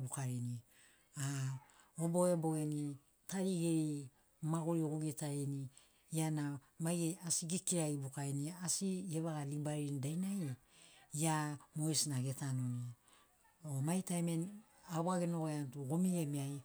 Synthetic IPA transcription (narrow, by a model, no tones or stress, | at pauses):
bukaɾini | a | obo̞ebo̞eni | taɾiɡe̞ɾi | maɡuɾioɡuɡetaeni | iana | majɡeasiɡikiɾaibukaɾeniasieβaɡalibaɾindajnaj | iamoesnaɡe̞tanoni | omajtajmen | aβaɡeno̞ɡoeantuɡomie̞miaj